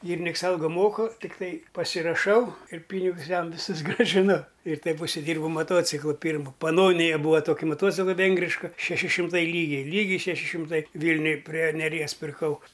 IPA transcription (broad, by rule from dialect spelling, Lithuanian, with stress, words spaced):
ˈɡʲiːrʲɪnʲɪks ˈɐlˠɡoː ˈmoːkʊ tʲɪkˈtɐɪ pɐsʲɪrɐˈʃɐʊ ɪr ˈpʲiːnʲɪɡʊs ˈjɛm ʋʲɪˈsʊs ɡrɑːʒʲɪˈnʊ ɪr ˈtɐɪp ʊʃʲsʲɪˈdʲiːrbɐʊ mɐˈtoːt͡sʲɪklˠoː ˈpʲiːrmoː pɐˈnoːnʲɪjɛ ˈbuːʋɐ ˈtoːkʲɪ moːˈtoːt͡sʲɪklˠɐ ˈʋʲɛŋɡrʲɪʃkɐ ʃʲɛˈʃʲɪ ʃʲɪmˈtɐɪ ˈlʲiːɡʲɛɪ ˈlʲiːɡʲɛɪ ʃʲɛˈʃʲɪ ʃʲɪmˈtɐɪ ˈʋʲiːlʲnʲʊj pʲrʲiɛ nʲɛˈrʲiɛs pʲɪrˈkɐʊ